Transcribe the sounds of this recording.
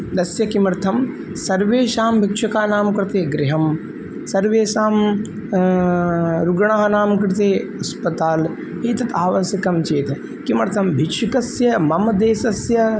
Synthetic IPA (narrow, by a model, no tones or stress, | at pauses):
d̪ɐsjɐkimɾt̪ʰɐm | sɐɾʋeːʃaːmbʱikʂɐkaːnaːmkɾɪt̪eːɡɾɪɦɐm | sɐɾʋeːʃaːm | ɾuɡɐɳaːɦɐnaːmkɾɪt̪eːɐspɐt̪aːl | eːt̪ɐt̪aːʋɐsjɐkɐmt͡ʃeːt̪ɐ | kimɐɾt̪ʰɐmbʱiʃikɐsjɐmɐmɐd̪eːsɐsjɐ